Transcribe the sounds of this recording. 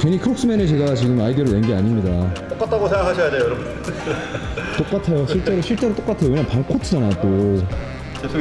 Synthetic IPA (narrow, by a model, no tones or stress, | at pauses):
keɲikʰɯɾok̚s͈ɯmenet͡ɕe̞ɡat͡ɕiɡɯmaidioɾɯɭwenɡeaɲimɲidat͈ok͈at͈ʰaɡosʰeŋɡakʰaɕʰʌjad͡ʑejoɾʌb | t͈ok͈atʰajoɕʰiɭt͡ɕ͈e̞ɾoɕʰiɭt͡ɕ͈e̞ɾot͈ok͈atʰeoweɲampaŋkʰotʰɯd͡ʑanat͈o